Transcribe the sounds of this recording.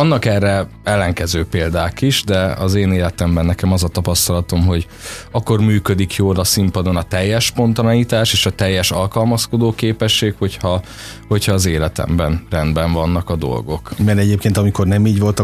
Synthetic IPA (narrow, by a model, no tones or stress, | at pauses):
ɒnːɒkɛrːɛ | ɛlːɛŋkɛzøːpeːld̪aːkiʒd̪ɛɒ̰zeːneːlɛt̪ɛmbɛnːɛkɛmɒzɒt̪ɒpɒst̪ɒlɒt̪o̞mɦo̞ɟ | ɒkːo̞rmyːkø̞d̪ikʰjoːlɒsimpɒd̪o̞nɒt̪ɛjːɛʃpo̞nt̪ɒnɒjiːt̪aːʃeːʃɒt̪ɛjːɛʃɒlkɒlmɒsko̞d̪oːkeːpɛʃːeːkho̞chɒ | ho̞chɒːzeːlɛt̪ɛ̰mbɛnrɛnd̪bɛɱvɒnːɒkɒd̪o̞̰lɡo̞̰kmɛɾɛɟeːp̚keːnt̪ɒmiko̞rnɛmiːɟʋo̞lt̪ɒ